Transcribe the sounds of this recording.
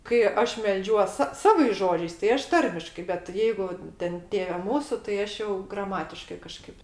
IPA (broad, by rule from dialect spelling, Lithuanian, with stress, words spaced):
kɐɪ ˈɐʃ mʲɛlʲˈd͡ʒʲuɔs sɐ ˈsɑːʋɐɪs ˈʒoːd͡ʒʲɛɪs tɐɪ ˈɐʃ ˈtɐrʲmʲɪʃkɐɪ bʲɛt ˈjɛɪɡʊ ˈtʲɛn ˈtʲeːʋʲɛ ˈmuːsʊ tɐɪ ˈɐʃ jɛʊ ɡrɐˈmɑːtʲɪʃkɐɪ kɐˈʃkɐɪp